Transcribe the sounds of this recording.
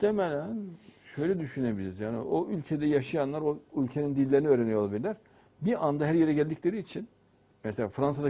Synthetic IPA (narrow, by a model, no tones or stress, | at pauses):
t̪ʰemelʲænʃøjlʲɛd̪yʃynebilʲizjaːnḭʔoylʲcʰe̞d̪ɛjaʃajanlˠaɾoylʲcʰenind̪ilʲːe̞ɾiniøːɾenijolˠabilʲilʲæɾ̥ | biand̪aɦæɾjeɾɛɟælʲd̪iclʲe̞ɾiːt͡ʃʰin | mɛselʲaːfɾansad̪a